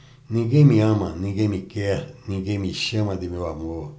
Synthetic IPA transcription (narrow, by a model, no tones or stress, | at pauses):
nĩɡemĩãmãnĩɡemĩkeanĩɡemĩʃãmãd̪imĩwamo